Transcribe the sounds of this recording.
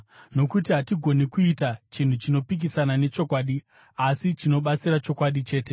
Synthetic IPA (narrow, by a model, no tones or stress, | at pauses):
no̞kutiɦatiɡʱo̞nekuitat͡ʃin̤ut͡ʃino̞pik̬isanane̞t͡ʃo̞kwaːɗi | asit͡ʃino̞ɓat͡siɾat͡ʃo̞kwaɗit͡ʃe̞ːte̞